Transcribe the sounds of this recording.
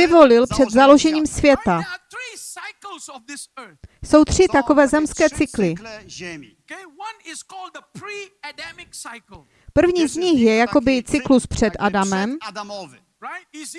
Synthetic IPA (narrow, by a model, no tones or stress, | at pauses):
ɪvo̞lɪlpr̥ɛd̪zalo̞ʒɛɲiːmsvjɛt̪a | z | so̞wt̪r̥ɪt̪ako̞vɛːzɛmskɛːt͡sɪklɪ | wnɪzkɔldidɪk̩ | pr̩vɲiːzɲɪxjɛjako̞bɪt͡sɪkluspr̝̥ɛt̪ʔadamɛm